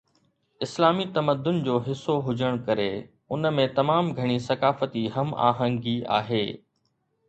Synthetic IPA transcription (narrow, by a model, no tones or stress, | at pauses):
ɪslaːmit̪ɐməd̪ːʊnd͡ʑoːɦɪsːoɦʊd͡ʑəɽ̃kɐɾe | ʊnəmẽt̪ɐmaːmɡʱɐɽ̃isɐkaːfət̪iɦɐma̰ːɦə̃ŋɡia̰ːɦeː